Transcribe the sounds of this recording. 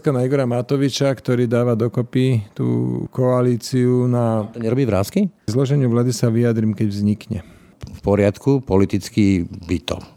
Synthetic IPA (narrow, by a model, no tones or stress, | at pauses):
skanaiɡɔɾamat̪ɔʋit͡ʃakt̪ɔɾiːd̪aːʋad̪ɔkɔpit̪ṵːkɔaliːt͡siunat̪ɔɲɛɾɔbiːvɾaːskizlɔʒɛɲɪuʋlaːd̪isaʋiad̪ɾiːmkɛɟvzɲikɲɛ | fpɔɾɪat̪kupɔlit̪it͡skibit̪ɔ̰